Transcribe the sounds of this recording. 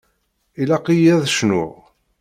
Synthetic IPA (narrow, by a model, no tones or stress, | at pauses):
ilæqijæðʃnʊ̰ʁ